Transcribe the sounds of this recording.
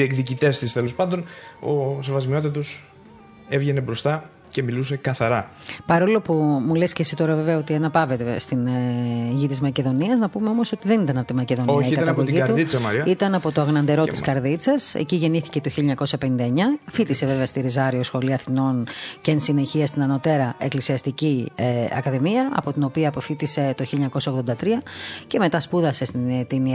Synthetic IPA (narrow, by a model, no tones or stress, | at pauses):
iekðicit̪e̞st̪ist̪elo̞spɐnd̪o̞nosevɐzmio̞t̪̬ɐt̪us | e̞vʝe̞nebɾo̞st̪ɐ | ce̞miluse̞kɐθɐɾɐpɐɾo̞lo̞pumulescesit̪oɾɐveveɐo̞t̪iɐnɐpɐve̞t̪est̪in | ʝit̪izmɐce̞ðo̞niɐznɐpumeo̞moso̞t̪iðe̞nit̪ɐnɐpot̪imɐce̞ðo̞nɐikɐɐɐpoʝiɐt̪uit͡sɐmɐɾiɐit̪ɐnɐpo̞t̪oɐɣnɐnd̪e̞ɾo̞t̪i̥skɐɾðit͡sɐsḛciʝe̞niθi̥cet̪oçileɲɐko̞sɐpe̞nind̪ɐeɲɐfit̪ise̞ve̞veɐst̪iɾizɐɾio̞sxo̞liɐθino̞ncensine̞çiɐst̪inɐno̞t̪e̞ɾɐeklisiɐst̪iciɐ̰kɐðemiɐɐ̰po̞t̪ino̞piɐːpo̞fit̪ise̞t̪o̞çilʎeɲɐko̞sɐoɣðo̞nd̪ɐt̪ɾiɐce̞me̞t̪ɐspuðɐse̞st̪in